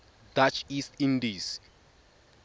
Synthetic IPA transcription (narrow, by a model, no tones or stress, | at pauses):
dat͡ʃʰist̪ĩndis